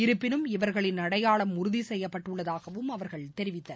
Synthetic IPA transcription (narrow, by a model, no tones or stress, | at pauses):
ɪɾɯpːɪnɯmɪʋɐɾɣɐɭɪnːɐɽɐjaːɭɐmʊɾʊðisɛjːɐpːɐʈːɯɭːɐðaːɣɐʋɯmɐʋɐɾɣɐɭt̪ɛɾɪʋɪt̪ːɐ